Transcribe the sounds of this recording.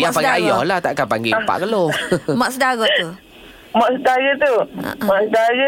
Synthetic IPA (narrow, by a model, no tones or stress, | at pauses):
japaɡaajɔhlaht̪aʔkapaŋɡepa̰ʔkəlomaʔksədaɣɔt̪u | maʔsədaɣət̪ṵmaʔsdaɣə